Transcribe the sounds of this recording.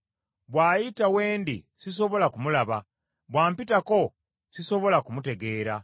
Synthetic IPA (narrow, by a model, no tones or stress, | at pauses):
βwaːjitawe̞ːndḭ | siso̞βo̞lakumulaβa | βwaːmpitako̞ | siso̞βo̞lakumute̞ɡe̞ːɾa